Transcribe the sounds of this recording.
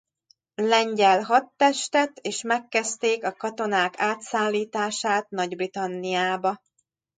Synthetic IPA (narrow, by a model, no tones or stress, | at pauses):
lɛɲɟɛlɦɒt̪ːɛʃt̪ɛt̪eːʃmɛkːɛst̪eːkɒkɒt̪o̞naːkaːt̪saːlːiːt̪aːʃaːt̪nɒɟbrit̪ɒnːijaːbɒ